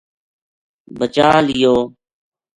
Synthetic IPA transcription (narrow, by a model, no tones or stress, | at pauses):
bət͡ʃaːlɪjoː